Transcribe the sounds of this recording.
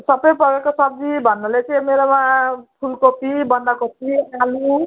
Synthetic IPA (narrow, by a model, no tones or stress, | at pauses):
sʌbʌjpʌɡekosʌb̚dibʱʌnːʌlet͡sʌmeɾomãpʰulkopibʌnd̪akopialu